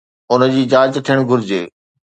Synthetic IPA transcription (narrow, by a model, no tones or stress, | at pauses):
ʊnə̆d͡ʑiːd͡ʑaːd͡ʑt̪ʰiəɽ̃ɡʱʊɾɪd͡ʑḛː